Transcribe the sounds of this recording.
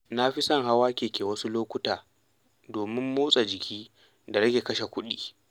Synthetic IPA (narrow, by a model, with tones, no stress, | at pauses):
na˦ɸi˦sɐ˦˨ŋɦa˦waː˦kʲeː˨kʲeː˨wɐ˦su˦loː˦kʷʊ˦taː˨ | doː˨mɪ˦mːuː˦sʼa˨d͡ʒɪ˨kʲiː˦ | da˨ɾɐ˦ɡʲe˨kɐ˦ʃe˨kʷʊ˦ɗḭː˦